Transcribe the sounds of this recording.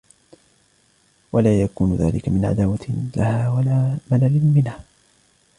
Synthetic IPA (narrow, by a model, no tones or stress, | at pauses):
walaːjakuːnʊða̰ːlɪkamɪnʕa̰d̪aːwalahaːwalaːmalalɪnmɪnha